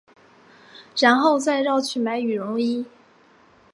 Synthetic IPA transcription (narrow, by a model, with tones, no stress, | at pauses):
ɻa˧˥nxo˥˧ʊt͡sa˥˧ɪɻɑ˥˧ʊt͡ɕʰy˥˩ma˧˥ɪy˨˩ɻʊ˧˥ŋi˥